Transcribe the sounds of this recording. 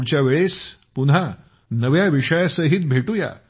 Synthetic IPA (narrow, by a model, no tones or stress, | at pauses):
ɽt͡ɕjaʋeɭespuna | nəʋjaʋiʂəjasəɦit̪̚bʱeʈuja̰